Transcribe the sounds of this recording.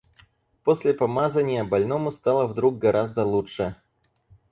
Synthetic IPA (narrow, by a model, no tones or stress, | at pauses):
posʲlʲɪpɐmazənʲɪjəbɐlʲno̞mʊst̪alˠəvd̪ɾuɡ̚ɡɐɾʔazd̪əlˠuʂɨ